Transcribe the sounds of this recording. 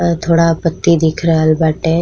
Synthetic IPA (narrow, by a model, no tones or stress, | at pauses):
t̪ʰoːɽapət̪ːid̪ɪkʰɾəɦəlbaːʈɛ̃